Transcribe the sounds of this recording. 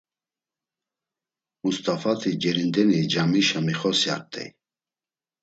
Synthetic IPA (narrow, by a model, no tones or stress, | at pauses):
must̪ʼafat̪ʰid͡ʒɛɾind̪ɛnid͡ʒamiʃamiχɔsia̰ɾt̪ʼɛ̰j